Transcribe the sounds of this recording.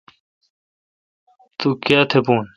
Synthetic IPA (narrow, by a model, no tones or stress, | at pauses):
t̪ukjaːt̪ʰepuːn